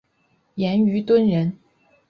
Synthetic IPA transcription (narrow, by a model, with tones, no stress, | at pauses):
jɛ˧˥ny˧˥t̪wə˥nɻə˧˥n